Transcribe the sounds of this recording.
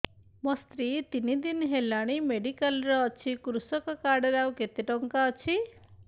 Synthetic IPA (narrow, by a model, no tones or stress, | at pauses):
mɔst̪ɾit̪inid̪inɦelaɽ̃imeɖikalɾɔːt͡ʃʰikɾusɔkɔkaɽeɾawket̪eʈɔŋkaɔt͡ʃʰi